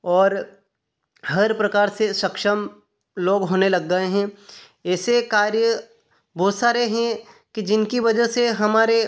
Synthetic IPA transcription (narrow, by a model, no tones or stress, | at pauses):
ɔːɾ | ɦɐɾpɾɐkaːɾseʃɐkʃəm | loːɡɦoːnelɐɡːəeɦɛ̃ | ɛːsekaːɾjə | bɔːt̪saːɾeɦɛ̃kid͡ʒɪnkiʋɐd͡ʒəɦseɦɐmaːɾe